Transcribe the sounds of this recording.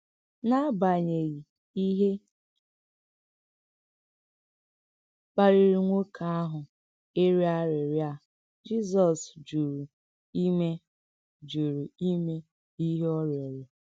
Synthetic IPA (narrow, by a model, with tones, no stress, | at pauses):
na˦ba˨ɲe˨ɣi˨ | i˦ɦe˦ | k͡pa˨ɾi˨ɾi˨ŋʷo˦kʰa˨a˦ɦʊ˨ | e˦ɾi˦a˦ɾɪ˨ɾja˦˨ | d͡ʒi˦s̬ɔ˨sd͡ʒu˨ɾu˨ | i˦me˦ | d͡ʒu˨ɾu˨i˦me˦ | i˦ɦe˦ɔ˦ɾɔ˨ɾe˨